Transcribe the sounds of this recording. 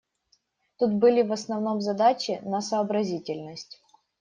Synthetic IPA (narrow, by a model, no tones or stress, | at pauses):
t̪ut̪bɨlʲɪvɐsnɐvno̞mzɐd̪at͡ɕɪnɐsəːbɾɐzʲitʲɪlʲnəsʲtʲ